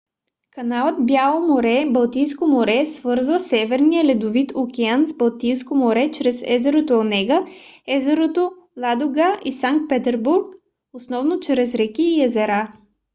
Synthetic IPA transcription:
kɐnalˠət̪bʲjalˠomoɾɛbɐlˠt̪ijskomoɾɛsvɤɾzvəsɛvɛɾnijəlɛd̪ʊvit̪okʲɛanzbɐlˠt̪ijskomoɾɛt͡ʃɾɛsɛ̰zɛɾot̪oonɛɡəɛzɛɾot̪o | lˠad̪oɡaʔisaŋk̚t̪̚pɛt̪ɛɾbuɾk | osnɔvnot͡ʃɾɛzɾɛkʲiːɛzɛɾa

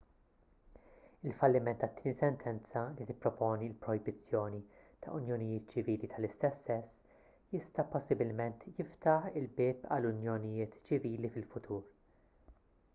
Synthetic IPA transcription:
ɪlfɐlːɪmɛnt̪ːɐt̪ːɪːnisɛnt̪ʰɛnt͡sɐlit̪ɪpːɾɔpɔːnilpɾɔjbɪt͡sːjɔːnit̪ʰɐ̰ʔʊnjɔnɪjɪːt̪t͡ʃɪviːlit̪ʰɐlɪst̪ɛsːɛsː | jɪst̪ɐpɔsːɪbɪlmɛnt̪jɪft̪ɐħɪlbɪːpɐ̰lːʊnjɔnɪjɪːt̪t͡ʃɪviːlifɪlfʊt̪ʰuːɾ

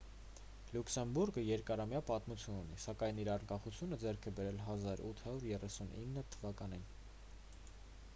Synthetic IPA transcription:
luksɛmbuɾɡəjɛɾkɑɾɑmjɑpɑt̪mut͡sʰjununḭsɑkɑjniɾɑɾŋkɑχut͡sʰjunəd͡zɛɾkʰɛbɛɾɛlɦɑzɑɾut̪ʰhɑɾuɾjɛrɛsunʔinːət̪ʰəvɑkɑnin

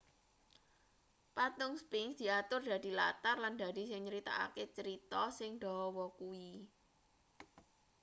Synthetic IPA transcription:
pat̪ʊŋspɪŋsd̪̥i̤at̪ʊrd̪̥ä̤d̥̪i̤la̰t̪arland̪ä̤d̪̥i̤sɪŋɲəɾit̪a̰a̰ket͡ʃəɾit̪ɔsɪŋɖ̪̥ɔ̤ɔwɔkui

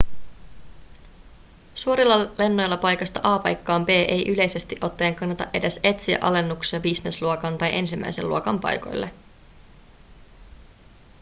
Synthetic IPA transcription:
suoɾilːɑle̞nːo̞jlːɑpɑjkɑst̪ɑʔɑːpɑ̰jkːɑːmbe̞ːʔe̞jʔyle̞jse̞st̪iʔo̞t̪ːe̞ːŋkɑnːɑt̪ɑ̰ʔe̞dese̞t̪siæ̰ʔɑ̰le̞nːuksɑbisnesluokɑnt̪ɑjʔe̞nsimːʔæ̰jsellṵo̞kɑmpɑ̰jko̞̰jlːʔe

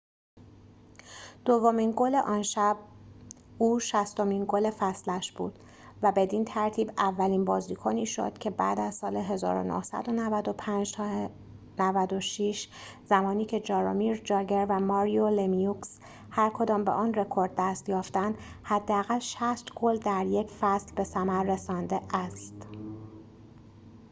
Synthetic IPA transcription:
d̪̥ovːomiːnɡoleʔɒːnʃæb̚ | uːʃæst̪omiːnɡole̞fæslæʃb̥ṵːd̪̥ | væbe̞d̪iːnt̪ʰæɾt̪ʰiːbævːæliːnbɒːziːkʰoniːʃo̞̰d̪̥cʰe̞bæ̰ːd̪æzsɒːle̞ɦe̞zɒ̰ːɾo̰no̰hsæ̰d̪o̞nævæd̪opʰænd͡ʒ | nævæd̪oʃiʃ | zæmɒːniːcʰe̞d͡ʒɒːɾo̰miɾd͡ʒɒːɟeɾvæmɒːɾiolemijuks | hæɾkʰo̞d̪ɒːmbeʔɒːnre̞kʰo̞ɾd̪̚ːæst̪jɒːft̪ænd̪hæd̪ːeæɣælʃæst̪ɡold̪æɾjecʰfæslbe̞sæmæɾːe̞sɒːnd̪e̞ʔæst̪

